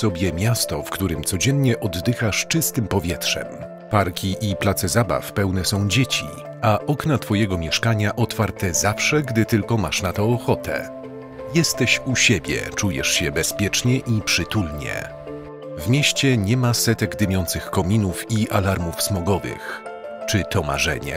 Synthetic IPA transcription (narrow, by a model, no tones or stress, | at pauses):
sɔbʲjɛmʲjast̪ɔfkt̪uɾɘmt̪sɔd͡ʑɛnɲɛʔɔd̪ːɘxaʂt͡ʂɘst̪ɘmpɔvʲjɛtʂɛ̰m | paɾkʲiʔiplat̪sɛzaba̰fpɛwnɛsɔ̃w̃d͡ʑet͡ɕḭ | aʔɔknat̪fɔjɛɡɔmʲjɛʂkaɲaʔɔt̪faɾt̪ɛzafʂɛɡd̪ɘt̪ɘlkɔmaʂnat̪ɔːxɔt̪ɛ̰ | jɛst̪ɛɕuɕebʲjɛ̰t͡ʂujɛ̰ʂɕɛbɛspʲjɛt͡ʂɲɛʔipʂɘt̪ulɲɛ̰ | vmʲjeɕt͡ɕɛɲɛmasɛt̪ɛɡd̪ɘmʲjɔnt̪sɘxkɔmʲinufiʔalaɾmufsmɔɡɔvɘ̰x | t͡ʂɘt̪ɔma̰ʐɛ̰ɲɛ̰